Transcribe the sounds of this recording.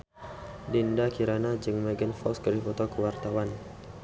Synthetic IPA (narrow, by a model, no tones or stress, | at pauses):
dindakiɾanad͡ʒəŋmɛɡənfɔskəɾifɔt̪ɔkəwart̪awan